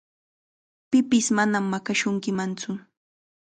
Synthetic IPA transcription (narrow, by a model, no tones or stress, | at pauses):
pɪpɪsmanamːakaʃʊŋkɪmant͡sʊ